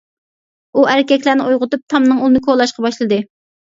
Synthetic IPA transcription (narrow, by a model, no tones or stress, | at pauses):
uʔæɾɪkʲɛkʲlæɾnɪojʁʊt̪up̚t̪ʰɑmnɨŋulˠɨnɨkʰolˠɑʃqɑbɑʃlˠɨd̪ɨ